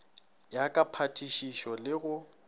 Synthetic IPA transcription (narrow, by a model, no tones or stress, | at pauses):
jakʼapʰatʰʼiʃiʃɔlɪɣʊ